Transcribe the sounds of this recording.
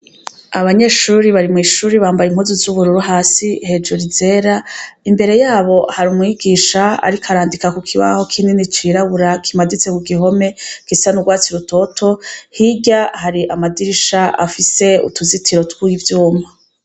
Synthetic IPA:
aβaɲe̞ːʃuːɾiβaɾimŋiːʃuːɾiβaːmbajim̥huzuzuβuɾuɾuɦaːsihe̞d͡ʒuɾize̞ːɾaimbe̞ɾe̞jaːβo̞haɾumŋiːɡiːʃaa̰ɾikʰaɾaːndikakukʰiβa̰ho̞kʰininit͡ʃiɾaβuɾakʰimadit͡se̞kuɡiɦo̞me̞ɡ̥isanuɡwaːt͡siɾuto̞tʰo̞hiɟahaɾiʔamadiɾiʃaʔa̰fise̞ṵtuzitʰiɾo̞tkwuːjivjuːmva

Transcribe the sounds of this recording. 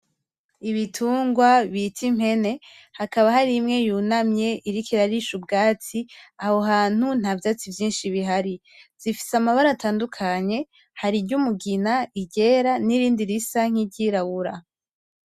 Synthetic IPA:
iβitʰuːŋɡwaβitʰim̥he̞ne̞ | hakaβaɦaɾimŋe̞juːnamɲe̞ʔiɾikʰiɾaɾiʃubɡaːt͡siaho̞ɦaːn̥hun̥havjaːt͡sivjiːnʃiβiɦaɾi | z̥ifi̥samaβaɾataːndukʰaɲe̞ | haɾiɾɟumuɡinaiɟe̞ːɾaniɾiːndiɾisaŋ̥iɟiɾaβuɾa

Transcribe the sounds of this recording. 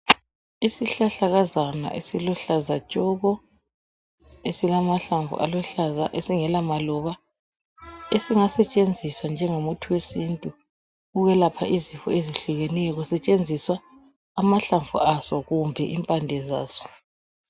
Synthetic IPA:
isiɬaɬaɣazana̰ʔḛsilɔɬazat͡ʃʼɔɣɔ | esilamaɬaɱvṵʔa̰lɔɬazaʔesiŋɛlamalɔβa | esiŋasɛt͡ʃʼend͡zʱiswand͡ʒʱɛŋomutʰuwesintʼu | ɣuɣɛlapʰaʔizifɔ̰eziɬuɣɛnɛɔɣusɛt͡ʃʼend͡zʱiswaː | maɬaɱvṵasɔɣumbʱɛʔimpʼandʱɛza̰ːsɔ̥

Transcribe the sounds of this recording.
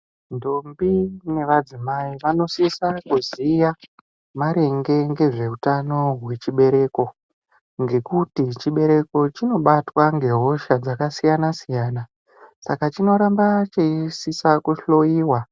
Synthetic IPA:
ndo̞mbine̞ʋad͡zimaiʋano̞sisakuzija | maɾe̞ŋɡe̞ŋɡe̞ʐe̞utano̞ɦwe̞t͡ʃiɓe̞ɾe̞ːko̞ | ŋɡe̞kutit͡ʃiɓe̞ɾe̞ko̞t͡ʃino̞ɓatwaŋɡe̞ɦo̞ʃad͡zakasijanasijaːna | sakat͡ʃino̞ɾambat͡ʃeisisakuɬo̞jiːwa

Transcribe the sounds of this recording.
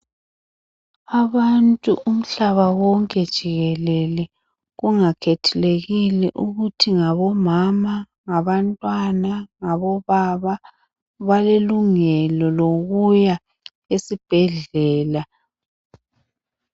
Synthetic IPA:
aβantʼuʔum̩ɬaβawɔŋkʼɛd̥ʒ̥ʱiɣɛlɛlɛ | ɣuŋakʰetʰuleɣilɛʔuɣutʰiŋaβɔmama | ŋaβantʼwanaŋaβɔβaβa | βaleluŋɛlɔloɣuja | esib̥ʱɛɮɛːla

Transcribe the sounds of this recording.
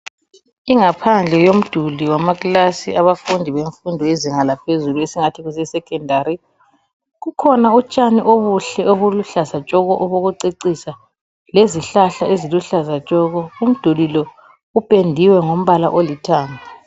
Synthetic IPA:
iŋapʰand͡ɮʱɛjom̩d̥ʱuliwamaɣlasḭʔaβafundʱiβeɱfundʱɔeziŋalapʰezuluesiŋatʰiɣusɛsɛkʰʼɛndʱaɾi | ɣukʰɔnaut͡ʃʼaniʔoβuɬɛoβuluɬazat͡ʃʼɔɣɔʔɔβoɣuǀeǀisa | leziɬaɬaeziluɬazat͡ʃʼɔɣɔum̩d̥ʱulilɔ | upʼendʱiwɛŋom̩βala̰ʔolitʰaːŋa

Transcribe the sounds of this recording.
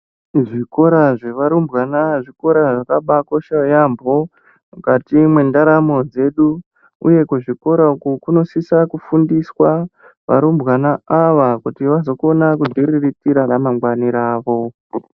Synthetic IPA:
ʐiko̞ɾaʐe̞ʋaɾumbɣanaʐiko̞ɾaʐakaɓako̞ʃajambʱo̞ | mukatimwendaɾamo̞d͡ze̞ɗu | ṵje̞kuʐiko̞ɾaukukuno̞sisakufundiswa | ʋa̰ɾumbɣanaaʋakutiʋazo̞ko̞nakudʱiriritiɾanamaŋɡwaniɾaːʋo̞

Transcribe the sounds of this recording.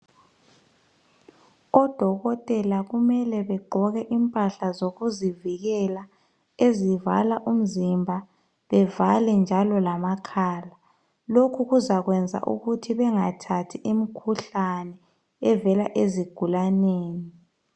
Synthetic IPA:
ɔd̥ʱɔɣɔtʼɛlaɣumɛlɛβɛɡ͡ǃʱɔɣɛʔimpʼaɬazoɣuziviɣɛla | eziva̰laʔum̩zimbʱa | βɛvalɛnd͡ʒʱalɔlamakʰaːla | lokʰuɣuzaɣwɛnd͡zʱa̰ʔṵɣutʰiβɛŋatʰatʰiʔimikʰuɬanɛ | ɛvɛlaʔeziɡ̥ʱulaneːni

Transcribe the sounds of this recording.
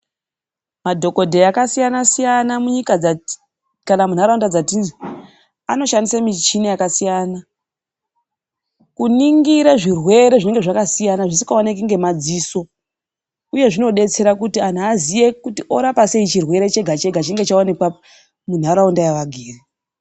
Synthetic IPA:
madʱo̞ko̞dʱe̞jakasijanasijanamuɲika | kanamun̤aɾaundad͡zatini | ano̞ʃandisamit͡ʃinijakasijaːna | kuniŋɡiɾaʐirwe̞ɾe̞ʐine̞ŋɡe̞ʐakasijanaʐisi̥kaonek̬uŋɡe̞mad͡ziso̞ | uje̞ʐino̞ɗe̞t͡se̞ɾakutian̤uazije̞kutiʔo̞ɾapase̞it͡ʃirwe̞ɾe̞t͡ʃe̞ɡʱat͡ʃe̞ɡʱat͡ʃiŋɡe̞t͡ʃaone̞kwa | mun̤aɾaundajaʋaɡʱiːri

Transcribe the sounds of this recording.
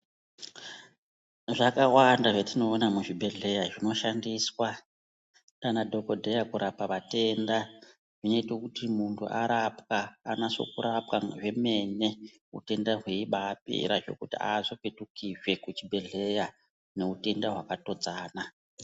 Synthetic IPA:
ʐakawandaʐatino̞ːnamuʐibʱe̞ɮe̞jaʐino̞ʃandiːswa | tanadʱo̞ko̞dʱejakuɾapaʋate̞nda | ʐino̞itokutimuntʰṵʔaɾapkaːnaso̰kuɾap̚kaʐe̞me̞ne̞ | ṵte̞ndaɦweiɓaːpḭɾaʐo̞̰kutḭa̰zo̞petukiʐwe̞kut͡ʃibʱe̞ɮe̞ja | ne̞ute̞ndaɦwakato̞d͡zaːna

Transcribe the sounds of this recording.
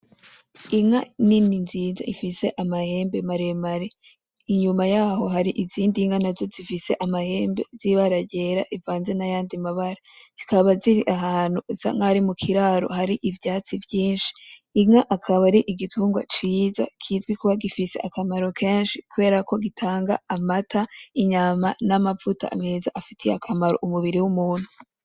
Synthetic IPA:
iŋanininziːza̰ʔifise̞ʔamahe̞ːmbe̞maɾemaɾi | iɲumajaːɦo̞ɦaɾiʔiziːndiŋɡanazo̞zifise̞ʔamahe̞ːmbe̞̰ziβaɾaɟe̞ɾa̰ʔivaːnze̞najaːndimaβaɾaz̥ikaβaziɾiʔaɦaːn̥huza̰ŋaɾimukʰiɾaːɾo̞̰haɾiʔivjaːt͡sivjiːnʃi̥ːmaʔakʰaβaɾiʔiɡitʰuːŋɡwa̰t͡ʃiːza̰kʰiːzɡwikuβaɡifise̞̰ʔakamaɾo̞kʰe̞ːnʃikuβe̞ːɾako̞ɡitʰaːŋɡa̰ːmatʰaiɲamanamavuta̰a̰meːza̰ʔafitʰiakʰamaɾo̰ʔumuβiɾiwumuːn̥hu

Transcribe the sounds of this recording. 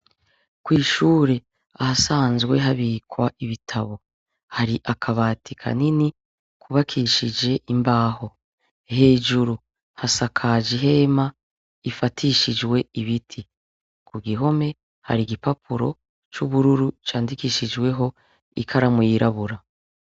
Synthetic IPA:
kwiːʃuːɾe̞ | ahasaːnzɡwe̞ɦaβikwaʔiβitʰaβo̞ | haɾiʔakʰaβaːtʰikʰa̰nini | kuβakʰiʃid͡ʒe̞ʔimbaːho̞ | he̞ːd͡ʒuɾu | hasakʰad͡ʒiɦe̞ma | ifatʰiʃid͡ʒwe̞iβitʰi | kuɡiɦo̞me̞ | ha̰ɾiɡipapʰuɾo̞̰ | t͡ʃuβuɾuɾut͡ʃaːndikiːʃid͡ʒwe̞ɦo̞ | ḭkʰaɾamujiɾaβuɾa

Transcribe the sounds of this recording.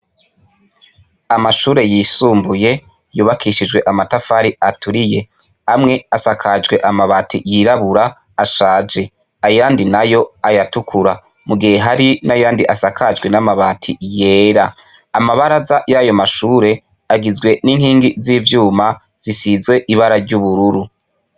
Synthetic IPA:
amaʃuːɾe̞jiːsuːmbuje̞ | juːβakʰiʃid͡ʒwe̞ʔamatafaɾiatʰuɾije̞ | amŋe̞asakʰad͡ʒɡwe̞ʔamaβaːtʰḭjiɾaβuɾaː | ʃaːd͡ʒe̞ | ajaːndinajo̞ajatukʰuɾa | muɡihe̞ɦaɾinajaːndiʔasakʰad͡ʒɡwe̞namaβaːtʰije̞ːɾa | amaβaɾazajajo̞maʃuːɾe̞ | aɡizɡwe̞niŋhiːŋɡiziːvjuːma | z̥isizɡwe̞ʔiβaɾaɾɟuβuɾuɾu

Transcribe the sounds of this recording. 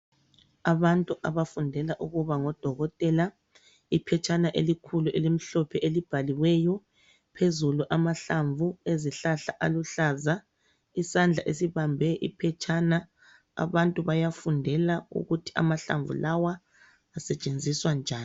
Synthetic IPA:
aβantʼuʔaβafundʱɛlaʔuɣuβaŋɔd̥ʱɔɣɔtʼɛla | ipʰɛt͡ʃʰʼanaʔelikʰuluʔelim̩ɬɔpʰɛʔelib̥ʱaliwɛjɔ | pʰezuluʔamaɬaɱvueziɬaɬaʔaluɬaːza | isand͡ɮʱaʔesiβambʱɛʔḭpʰɛt͡ʃʰʼana | a̰βantʼuβajafundʱɛlaṵɣutʰi̥ʔa̰maɬa̰ɱvṵlawaː | sɛt͡ʃʼend͡zʱiswand͡ʒʱaːn

